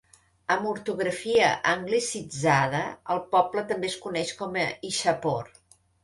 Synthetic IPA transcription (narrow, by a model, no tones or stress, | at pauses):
əmuɾt̪uɣɾəfiəʔəŋɡlisid͡zað̞əəlˠpɔplət̪əmbeskunɛʃkɔməiʃəpor